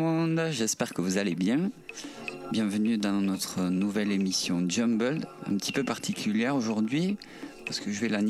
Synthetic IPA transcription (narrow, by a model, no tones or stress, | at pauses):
ɔ̃d̪ʒɛspɛʁkəvuzalebjɛ̃ | bjɛ̃vənyd̪ɑ̃nɔt̪χənuvɛlemisjɔ̃d͡ʒɔmbəld̪ɛ̰̃pət̪ʰipøpaʁt̪ʰikʲyljɛʁoʒuʁd̪ɥi | paʁsə̥kəʒəvɛlan